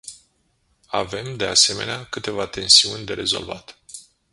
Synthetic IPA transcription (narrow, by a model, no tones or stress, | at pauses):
a̰ve̞md̪e̞ase̞me̞̰neakɨt̪e̞vat̪e̞nsiunʲd̪e̞ɾe̞zo̞̰lva̰t̪